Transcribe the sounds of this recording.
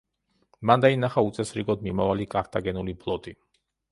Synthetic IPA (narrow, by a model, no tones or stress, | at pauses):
mand̪ainaχaut̪sʼɛsɾiɡɔd̪̚mimavalikʼaɾt̪ʰʼaɡɛnuliblˠɔt̪ʼi